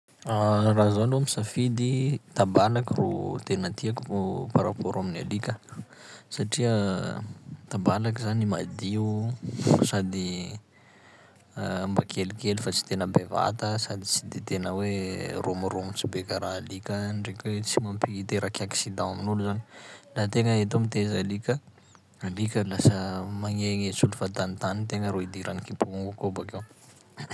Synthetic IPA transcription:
arazaluamisafid̪it̪ambalakiro̰t̪enət̪iaku̥paɾapoɾamina̰likʲə | saʈ͡ʂiə | t̪ambalakizanimad̪iu | sad̪i | ambakʰelikelufat͡si̥t̪enəbeva̰t̪əsad̪it͡sid̪et̪enəweromuɾomit͡sibekaɾalikʲənrekʲwet͡simampiit̪eɾakʲaksid̪ãaminuluzani̥lat̪eŋəet̪̬omit̪ezalikʲə | alikʲəlasəmaŋeŋet͡sulufat̪anit̪anit̪eŋəɾoid̪iɾanikipuuŋɡukobakew

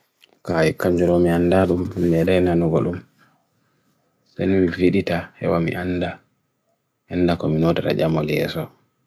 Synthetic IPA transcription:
kajɛkːaɲd͡ʒuɾɔmiandaɗummiɛɗajnanuɡɔ̰ɗum | sajnimiviɗitahɛ̰wamḭʔanda | hɛndakɔminotaɾa̰d͡ʒamoljɛ̰sɔ

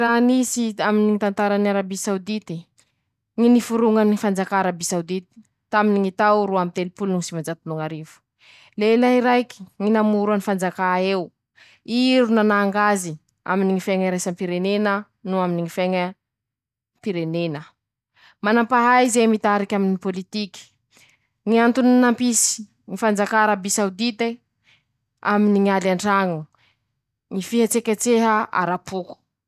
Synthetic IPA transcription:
ɾanisiaminiŋit̪ant̪aɾanaɾabisawd̪it̪i | ŋinifuɾuŋanifand͡zakaːɾabisawd̪it̪i̥ | t̪aminiŋit̪awɾuamit̪elipulnuŋisimand͡ʒat̪unuŋaɾivu̥ | lelaiɾajki̥ŋinamuɾanifand͡zakaew | iɾunanaːŋɡazi | a̰miniŋifeŋəɾajsampiɾenenə | nuaminiŋifeŋə | mpiɾenenə | manampaɦajizemit̪aɾikʲaminipolit̪ikʲi̥ | ŋiant̪unnampisi̥ | ŋifand͡zakaɾabisawd̪it̪e | aminiŋialaɳɖ͡ʐaŋu | ŋifiɦat͡sekʲat͡seɦəa̰ɾapuku̥

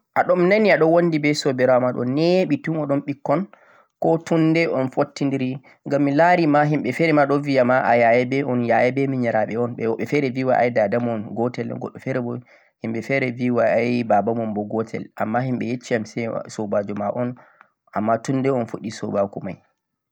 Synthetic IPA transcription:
ʔaɗɔmnaniaɗɔwondibɛsɔbɛɾɔamaɗɔ̰neɓitunɔɗɔmɓikːɔn | kɔtundɛʔɔnfotːindiɾi | ŋɡamːilaɾimaɦimɓɛfɛɾɛmaɗɔvijamaʔajajɛbɛɔnjajɛbɛmiɲɛɾaɓɛɔnɓɛwɓɛfɛɾɛviwaʔa̰jdadamɔnɡɔtɛl̰ɡɔ̰ɗːɔfɛɾɛbɔ | himɓɛfɛɾɛviwaajbabamɔmbɔɡɔtʰɛ̰lʔa̰mːahimɓɛjet͡ʃːiamsɛ̰sobad͡ʒɔmaʔɔn | ʔamːatundɛɔnfoɗːisɔ̰bakuma̰j

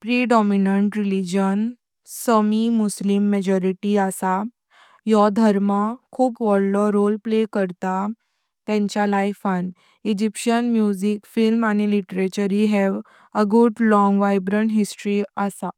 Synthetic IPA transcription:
pɾiɖɔminəɳʈɾilid͡ʑən | səmimuslimːɛd͡ʑɔɾiʈiasa | jɔd̪ʱəɾmakʰuːpʋɔɽlɔɾolplekəɾt̪a | t̪ɛ̃ɲt͡ɕjalajfan | id͡ʑipɕənmjud͡ʑikfilmañiliʈɾet͡ɕəɾiɦɛʋ | əɡuʈlɔ̃ŋɡʋajbɾəɳɦisʈɾiəsa

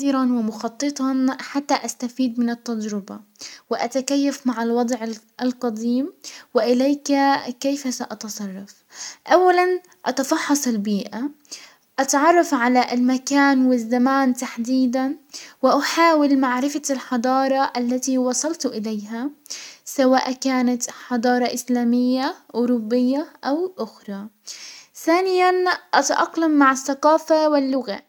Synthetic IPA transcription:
iːɾɑnwɪmʊxɑt̪ˤːɨt̪ˤɑnħat̪ːaʔast̪afiːd̪̚mɪnɪt̪ːad͡ʒɾɪbawɪʔat̪akajːafmaʕɪlwɑd̪ˤʕɪ | lqɑd̪iːmwɪʔɪleːkkejfasaʔɑt̪ɑsˤɑrˤːɑf | ʔawːalan | ʔɑt̪ɑfɑħːɑsˤɪlbiːʔa | ʔɑt̪ʕɑrˤːɑfʕalaʔɪlmakaːnwɪzːamaːnt̪aħd̪iːd̪anwɪʔaħaːwɪlmaʕɾɪfalħɑd̪ˤɑːɾˤɑʔalːat̪iwɑsˤɑlt̪ʔɪlejɦasawaːʔkaːnat̪ħɑd̪ˤɑːɾˤɑʔɪslaːmɪjːaʔʊɾubːɪjːaʔawʔʊxɾˤɑ | θaːnɪjanʔat̪aʔɑqlamːaʕɪθːaqɑːfawɪlːʊɣa̰

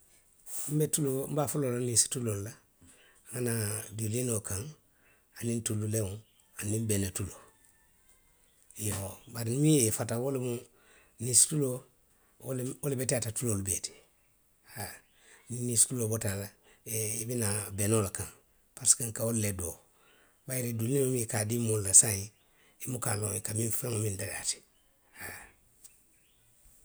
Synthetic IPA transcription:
m̩betulom̩baːfulolanisi̥tulolla | ŋanadulinokãŋ | anĩntulːulewo | anĩmbenetulo | jeobaɾimĩjefatawolemu | nisi̥tulo | wolebetiatatulolubeti̥ | ha | ninistulobotalaibinabenolakãn | paɾskaŋkaolːedo | bajiɾedulːimomikadimollasãji | imukalokamifamomindala̰ti̥ | ha

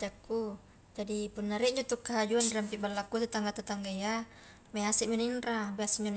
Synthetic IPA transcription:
d͡ʒakːu | d͡ʒadipunːaɾiʔɲd͡ʒut̪ukːaɦad͡ʒuandiɾampiʔbalːakːut̪ut̪aŋɡat̪at̪aŋɡaja | measiʔmuninrabeasiɲan

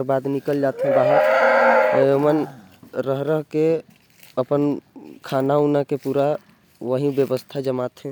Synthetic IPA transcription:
ɾbad̪nikəld͡ʒat̪ɦɛ̃baɦət̪əjomən | ɾəɦɾəɦke | əpənkʰanaunakepuɾa | ʋəɦĩbjəbəst̪ʰad͡ʒəmat̪ɦɛ̃

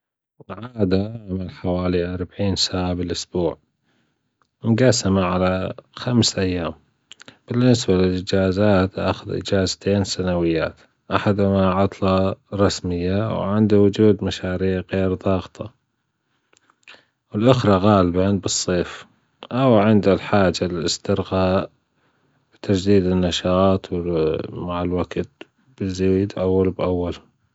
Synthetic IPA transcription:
ʕaːd̪aʔamalħawaːliʔɑɾˤbaʕiːnsaːʕabɪlʔʊsbuːʕ | mɡasamaʕalaxamsʔajːaːm | b̥ɪnːɪsbalɪlʔɪd͡ʒaːzaːt̪ʔa̰xʊðʔɪ̰d͡ʒaːzt̪ʰeːnsanawɪjːa̰ːt̪ | ʔaħad̪hmaʕɑt̪ˤlɑɾˤɑsmɪjːawʕɪnd̪awʊd͡ʒuːd̪maʃaːɾiːʕɣeːɾðˤɑːɣt̪ʰˤɑ | wɪlʔʊxɾˤɑɣaːlɪbanbɨsˤːeːf | ʔawʕɪnd̪alħaːd͡ʒalɪlɪst̪ɪɾɣaːʔ | b̥ɪt̪ad͡ʒd̪iːd̪ɪnːaʃɑːt̪ˤwɪmaʕɪlwaɡt̪̚ | b̥ɪzːaiːd̪ʔawːalbʔawːal

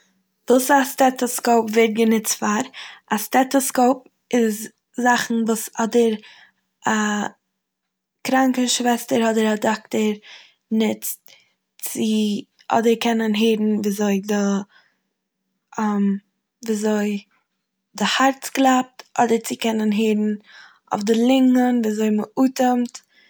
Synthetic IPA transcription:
duːsastɛtɔskoʊpvɛt̚ɡənɪt͡stfaɾastɛtɔskoʊp | ɪz | zaχn̩vuːsɔdəɾ | a | kɾaŋkəʃvɛstəɾɔdəɾadɔktəɾ | nɪt͡st | t͡sɪ | ɔ̰dəɾkɛnənɦeːdn̩viːzoɪdɪ | m | viːzoɪ | dɪhaɾt͡sklˠap̚tʔɔdəɾt͡sɪkɛnənɦeːdn̩ | ʊ̰fdɪlˠɪŋənviːzoɪməʔuːtəmt

